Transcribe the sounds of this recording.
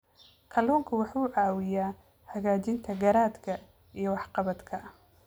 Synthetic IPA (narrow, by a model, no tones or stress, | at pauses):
kʰɐluːŋkʰɐwɑħuːʕɑːwɪjaː | hɐɣaːt͡ʃɪnt̪ʰɐɡɐɾaːd̪kʰɐ | ijɞwɑħqɑβɐd̪kʰɐ